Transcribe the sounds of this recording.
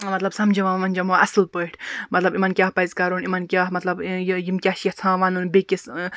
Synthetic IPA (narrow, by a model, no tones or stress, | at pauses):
mɐt̪lɐbsɐmd͡ʒʱiʋãːmɐnʲd͡ʒɐmoɐslpəʈʰʲmɐt̪lɐbimɐnkʲjaːhpɐzkɐɾonimɐnkʲjaːɦmɐt̪lɐbjimkʲaːʃɐht͡sʰãːʋaːnunbekʲis